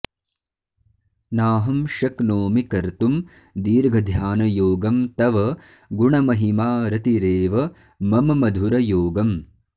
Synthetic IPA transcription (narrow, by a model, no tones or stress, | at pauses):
naːɦɐmʃɐknoːmikɐɾt̪um | d̪iːɾɡʱɐd̪ʱjaːnɐjoːɡɐmt̪ɐʋɐ | ɡuɳɐmɐɦimaːɾɐt̪iɾeːʋɐ | mɐmɐmɐd̪ʱuɾɐjoːɡɐm